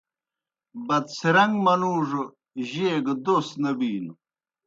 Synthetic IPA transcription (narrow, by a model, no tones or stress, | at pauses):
bɐd̪siɾɐŋɡmɐnuːʐ | ʑeːɡd̪osnɐbiːnu